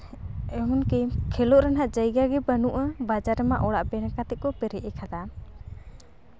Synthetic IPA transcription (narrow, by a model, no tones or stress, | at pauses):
ɛɦunkɛkʰɛlɔʔɾanɦaʔd͡ʒəjɡaɡɛbənuʔəbad͡ʒaɾɛmaʔɔɽa̰ʔbɛnakat̪ɛʔ̚kɔpɛɾɛʔɛkʰad̪a